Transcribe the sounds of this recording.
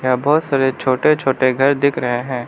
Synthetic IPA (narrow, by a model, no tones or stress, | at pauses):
jaːbɔːt̪saːɾet͡ʃʰoːʈet͡ʃʰoːʈeɡʱɐɾd̪ɪkʰɾɐɦeɦɛ̃ː